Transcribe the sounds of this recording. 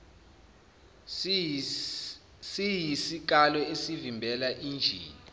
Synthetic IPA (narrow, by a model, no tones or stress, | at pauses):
sijisik̬alɔesivimbʱɛlaʔiːnd͡ʒʱiːni